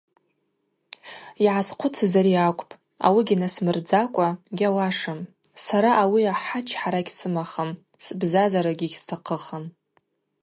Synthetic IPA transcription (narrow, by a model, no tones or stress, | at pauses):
iʕasqʷʰʊt͡sʰazaɾiakʷʼpʼ | a̰wiɡʲinasmɨrd͡zakʷʼaɡʲawaʂam | saɾaʔawiaħat͡ʃʰħaɾaɡʲsɨmaχam | sbzazaɾaɡʲiɡʲstʰaqʰəχam